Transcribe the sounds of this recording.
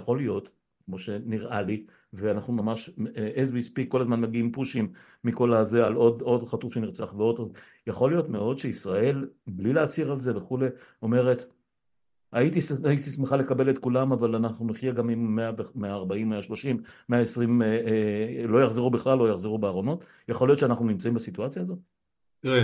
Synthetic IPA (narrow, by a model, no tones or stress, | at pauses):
jaχo̞lijo̞t | kmo̞ʃe̞niʁʔali | veanaχnumamaʃeezvispikːo̞lazmanmaɡiimpuʃimː | iko̞lazealo̞do̞dχatufʃe̞niʁt͡saχveo̞dto | jaχo̞lijo̞tme̞o̞d̪ʃe̞isʁae̞lblileat͡siʁalze̞ve̞χule̞o̞me̞ʁe̞t | ait̪isaitismeχale̞kabelet̪kulamavalanaχnuniχjeɡamimːeavemeaːʁbaimːeaʃlo̞ʃimːeaesʁim | lo̞jaχzeʁubiχlalːo̞jaχzeʁubeaːʁo̞no̞t | jaχo̞ljo̞tʃeanaχnunimt͡saimbasituat͡sjaːzo̞t | ʁe